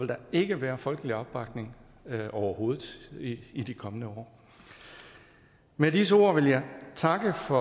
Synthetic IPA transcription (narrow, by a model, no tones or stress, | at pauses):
eld̥ɑ̈e̝ɡ̥əʋæːɐfɒ̽lɡ̥əliɒ̽b̥ːɑ̈ɡ̥ne̝ŋ | ɒʊɐho̝ːð̩ˠiid̥ikʰɒ̽mənəɒ̰ː | medisəo̝̰ɐ̰ʋe̝ljɑ̈ɪt͡sʰɑ̈ɡ̥əfɒ̽